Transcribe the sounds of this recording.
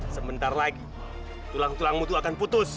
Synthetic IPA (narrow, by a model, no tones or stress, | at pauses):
səmənt̪arlaɡi | t̪ulaŋt̪ulaŋmut̪uakanput̪ʊs